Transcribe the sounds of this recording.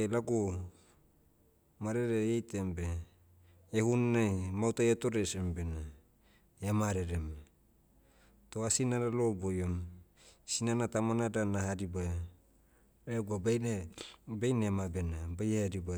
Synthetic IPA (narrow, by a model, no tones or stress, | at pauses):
elaɡo | maɾeɾeejtembe | ehunnamawtajatoɾesembena | amaɾeɾem | toasinaɾalobojom | sinanatamanadanaɦadiba | eɡuabe | bejnemabenabajehadiba